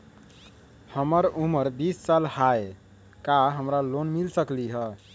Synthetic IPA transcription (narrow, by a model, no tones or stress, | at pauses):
həməɾuməɾbissalhae | kaɦəmɾalonmilsəkliɦə